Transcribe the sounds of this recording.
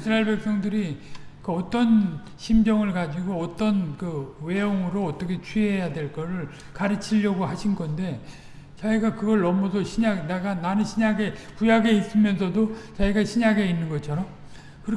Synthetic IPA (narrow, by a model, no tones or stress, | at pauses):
isʰɾaeɭbpe̞k̚s͈ʌŋdɯɾikɯʌt͈ʌn | ɕʰimd͡ʑʌŋɯɭkad͡ʑiɡoʌt͈ʌnkɯwe̞joŋɯɾoʌt͈ʌkʰe̞t͡ɕʰɥiejadwe̞ɭk͈ʌɾɯɭ | kaɾɯt͡ɕʰiʎːʌɡohaɕʰinɡʌnde̞ | t͡ɕaiɡakɯɡʌɭʌmʌsʰʌɕʰiɲaɡneɡananɯnɕʰiɲaɡe̞kujaɡe̞is͈ɯmjʌnsʰʌdot͡ɕaiɡaɕʰiɲaɡe̞inːɯnɡʌt͡ɕʰʌɾʌm | kɯɾ